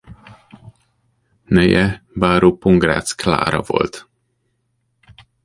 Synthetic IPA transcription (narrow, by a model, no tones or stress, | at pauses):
nɛjɛbaːɾopoŋɡra̰t̪skla̰ːɾɒvo̞̰lt̪